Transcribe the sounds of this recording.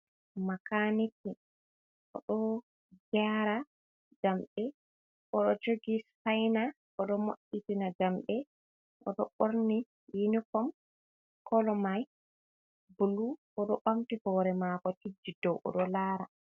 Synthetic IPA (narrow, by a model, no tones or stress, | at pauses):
makaniti | ʔɔ̰ɗɔ | ɡaɾa | d͡ʒamɓɛ | ʔɔɗɔd͡ʒoɡishajna | ʔɔɗɔmoɗitinad͡ʒamɓɛ | ʔɔ̰ɗɔɓoɾni | jinikɔm | kɔlɔmaj | buluʔɔɗɔɓamtihɔːɾɛmakɔtid͡ʒːidɔwʔɔ̰ɗɔlaːɾa